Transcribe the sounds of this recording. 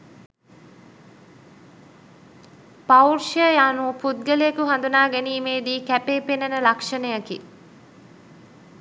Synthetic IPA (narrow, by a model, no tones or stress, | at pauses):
paurʃəjaːnupud̪̚ɡəlejekuɦand̪unaːɡæniːmeːd̪iːkæpeːpenənəlakʂənəjakḭ